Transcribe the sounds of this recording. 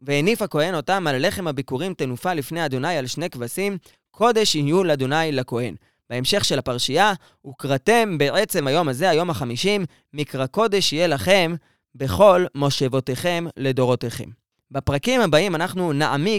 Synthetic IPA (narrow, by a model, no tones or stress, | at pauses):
vehenifhako̞e̞no̞tamalale̞χe̞mabikuʁimtenufalifnejad̪onajalʃne̞kvasim | kʰo̞d̪e̞ʃihijulead̪onajlako̞he̞n | b̥eemʃe̞χʃe̞lapaʁʃija | ukʁate̞mbeʔe̞t͡se̞mhajo̞maze̞ajo̞mhaχamiʃimː | ikʁako̞de̞ʃije̞laχe̞m | be̞χo̞lmo̞ʃevo̞te̞χe̞mle̞do̞ʁo̞teχe̞̰m | bapʁakimhabaimanaχnunaʔami